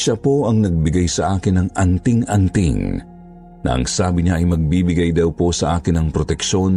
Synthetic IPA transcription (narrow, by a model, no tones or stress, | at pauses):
ʃapo̞ʔɐŋnɐɡ̚bɪɡajsɐʔaːkɪnːɐŋʔɐnt̪ɪŋɐnt̪ɪ̰ŋ | nɐ̰ʔɐ̰ŋsaːbɪɲaʔɐjmɐɡ̚biːbɪɡajd̪ɐwpo̞sɐʔaːkɪnːɐŋpɾot̪ɛkʃo̞n